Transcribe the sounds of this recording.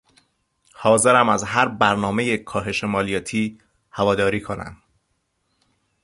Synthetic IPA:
hɒːze̞ɾæmæzɦæɾbæɾnɒːme̞je̞kʰɒːɦe̞ʃemɒːlijɒːt̪ʰiː | hævɒːd̪ɒːɾiːkʰo̞næ̰m

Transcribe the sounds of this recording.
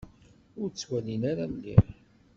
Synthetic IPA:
ʊɾt͡sːwælinaɾalːḭ

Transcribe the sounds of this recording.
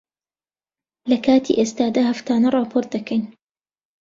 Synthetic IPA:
lɐkʰaːt̪ʰḭʔeːst̪aːd̪aːhɐft̪aːnɐrˤɑːpʰoːɾt̪̚d̪ɐkʰɐjn

